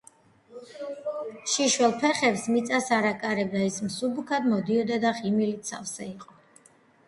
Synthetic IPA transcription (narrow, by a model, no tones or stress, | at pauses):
ʃiʃwɛlˠpʰɛχɛpsmit̪sʼasaɾakʼaɾɛb̚d̪aismsubukʰad̪mɔd̪iɔd̪ad̪aʁimilit̪sa̰fsɛiqʼɔ